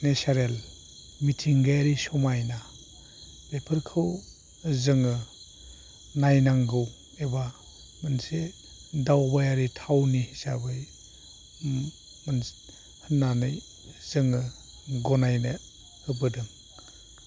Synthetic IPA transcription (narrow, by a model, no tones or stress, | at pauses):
nesaɾel | mitʰiŋɡajaɾisɔmajna | bepʰɯɾkʰɯw | zɯŋɯ | najnaŋɡɯw | eba | manse | dawbajaɾitʰawnihisabɯj | man | hɯnːanɯj | z̥ɯŋɯ | ɡɔnajne | hɯbɯdɯŋ